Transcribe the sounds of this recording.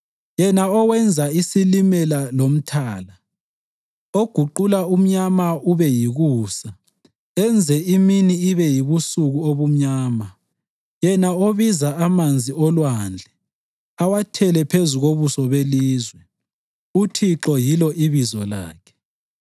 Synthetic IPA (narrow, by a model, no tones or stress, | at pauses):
jɛnaɔwɛnd͡zʱaisilimɛlalom̩tʰaːla | oɡ̥ʱuǃulaum̩ɲamauβɛjiɣuːsa | ɛnd͡zʱɛiminiːβɛjiβusuɣuoβum̩ɲaːma | jɛnaoβizaamand͡zʱiɔlwand͡ɮʱɛ | awatʰɛlɛpʰezuɣoβusɔβeliːzwɛ | utʰiǁɔjilɔʔiβizɔ̰la̰ːkʰɛ̥